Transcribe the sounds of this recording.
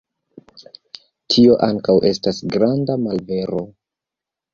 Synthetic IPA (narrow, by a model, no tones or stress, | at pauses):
tʰio̞ʔaŋkawʔe̞stasɡɾandamalve̞ɾo̞